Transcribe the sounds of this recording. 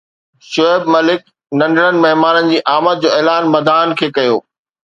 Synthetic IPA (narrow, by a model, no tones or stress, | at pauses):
ʃoɪbmɐlɪk̚ | nɐ̃ɳɖəɽənɪ̆mɐɦmaːnənɪ̆d͡ʑiːʔaːmət̪̚d͡ʑoːeːlaːnmɐd̪aːnkʰeːkɐjoː